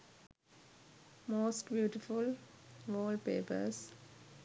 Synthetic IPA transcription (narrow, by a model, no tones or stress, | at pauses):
moːsʈbjuːʈɪfʊlʋɔːlpeːpə̰ɾs